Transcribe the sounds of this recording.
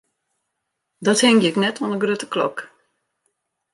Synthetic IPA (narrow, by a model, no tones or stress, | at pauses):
dɔthɪŋɡɪɪknɛtʰonəɡrøtə̥klɔ̰k